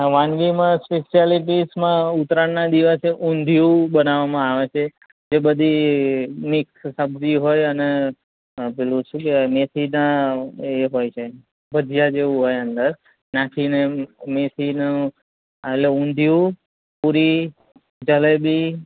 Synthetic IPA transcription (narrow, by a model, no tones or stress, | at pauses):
ʋãnɡimãspeʃaliʈ̬ismãut̪ɾaɳnad̪iʋəseʔũnd̪ʱjubənaʋamãaʋet͡ʃʰe | d͡ʒebəd̪ʱi | mɪkssəbd͡ʒiɦojəne | belũʃũkemet̪ʰinaeɦojt͡ʃʰe | bəd̪ʱjad͡ʒeʋũɦojənd̪əɾ | nãkʰinemet̪ʰinu | ətleũnd̪ʱjũ | puɾi | d͡ʒəlebi